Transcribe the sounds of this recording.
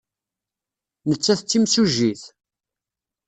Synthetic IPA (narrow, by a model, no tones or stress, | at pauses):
nət͡sːæθt͡sːimsuʒːiθ